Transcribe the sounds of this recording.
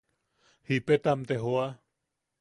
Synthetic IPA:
hipet̪amt̪eɦoa

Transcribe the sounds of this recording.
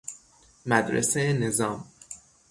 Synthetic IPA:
mæd̪ɾḛsenezɒːm

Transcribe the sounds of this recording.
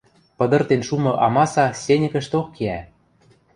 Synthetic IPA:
pɤ̆d̪ɤ̆rt̪enʃumɤ̆ʔɑmɑsɑsʲenʲɘ̆kə̆ʃt̪okkeæ

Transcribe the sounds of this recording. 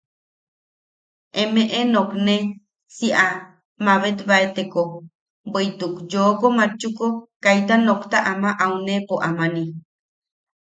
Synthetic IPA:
ʔemeʔenokne | siʔa | maβet̪βaet̪eko | bəjt̪ukd͡ʒoːkomat͡ʃːukokajt̪anokt̪aʔamaʔawnepoʔamani

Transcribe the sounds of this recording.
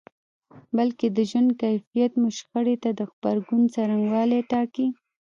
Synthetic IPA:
balked̪əʒwand̪̚kajfijat̪mʊʃxəɽet̪ad̪əxbaɾɡunt͡saɾaŋɡwɑleʈɑki

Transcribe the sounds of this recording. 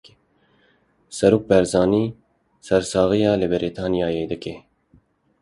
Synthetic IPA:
sɐɾuk̚pɛɾzaːni | sɐɾsaːɣijaːlebeɾit̪ʰaːnijaːjeːd̪ɐke

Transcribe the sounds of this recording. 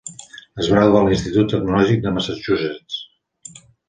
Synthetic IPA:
əzβaɾauɣalinst̪it̪ut̪ːəɡnulɔʒik̚d̪əmasat͡ʃuzɛt̪

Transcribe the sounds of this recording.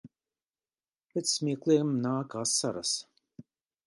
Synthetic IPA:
pʲɛt̪sʲmʲiɛklˠimnaːkaːsːaɾa̰s

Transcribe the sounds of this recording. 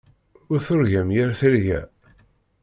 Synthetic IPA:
ʊɾθʊɾʝæmjæɾθəlʝæ̰

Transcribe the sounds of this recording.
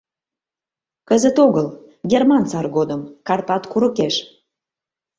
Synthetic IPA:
kəzət̪oɣəl | ɡermɑnt͡sɑrɡod̪əmkɑrpɑt̪kuɾəkeʃ

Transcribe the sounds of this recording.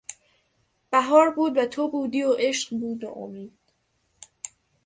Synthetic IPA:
b̥æɦɒːɾbuːd̪væt̪ʰobuːd̪iːoʔeʃɢbuːd̪o̰ʔo̰miːd̪̥̚

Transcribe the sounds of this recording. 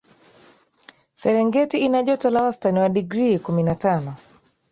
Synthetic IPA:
sɛɾɛŋɡɛtiinaʄɔtalawastaniwaɗiɡɾikuminatanɔ

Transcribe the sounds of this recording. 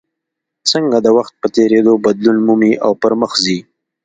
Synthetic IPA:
t͡səŋɡad̪əwaxt̪̚pət̪eɾed̪obad̪lunmumiʔawpəɾməxzi

